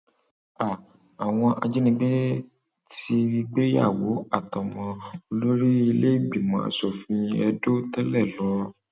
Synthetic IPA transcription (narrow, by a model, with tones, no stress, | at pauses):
a˨ | a˨w̃ɔ̃˧ʔa̰˧d͡ʒe˦nĩ˧ɡ͡be˦ | tʰi˧i˧ɡ͡be˦ja̰˦˨wo˨˦a˦˨tɔ˨mɔ̃˧o˧lo˦ɾi˦i˧le˦i˦˨ɡ͡bi˨mɔ̃˧˦a̰˧˨sɔ˨fĩ˧ɛ˧do˦tɛ˦lɛ˦˨lɔ˨˦